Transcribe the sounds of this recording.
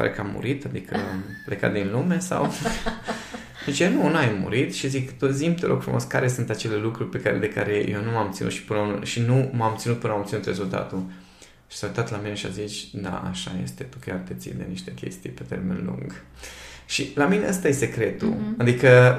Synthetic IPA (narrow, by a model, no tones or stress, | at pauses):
pa̰ɾekamːṵɾit̪ad̪ikʰəampleka̰t̪̚d̪inlume̞sa̰w | t͡ʃenunajmːṵɾit̪ʃizikt̪ozimt̪eɾʔoɡ̥fɾṵmo̞̰skaɾe̞sunt̪at͡ʃe̞le̞lukɾurʲpe̞kaɾed̪e̞ka̰ɾe̞jewnumamt̪sinut̪ʃi̥pɨnəuneʃinumamt̪sinut̪̚pɨnəaomt̪sinut̪rezult̪a̰t̪u | ʃi̥saut̪at̪lamineʃia̰zit͡ʃʲd̪a̰a̰ʃa̰je̞̰st̪e̞t̪u̥kʲjʲart̪et̪sḭnd̪e̞niʃt̪e̞kʲe̞̰st̪ijpe̞t̪e̞̰rme̞̰nlṵŋɡ | ʃilamine̞ʔəst̪ajese̞kɾe̞t̪ṵad̪ikə